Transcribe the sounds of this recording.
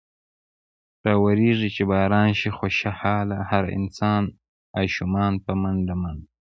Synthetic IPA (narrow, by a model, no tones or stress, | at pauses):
ɾɑːwaɾiʐit͡ʃebɑːɾɑːnʃixoʃahɑːlahaɾɪ̰nsɑːn | aːʃumɑːnpəmanɖaman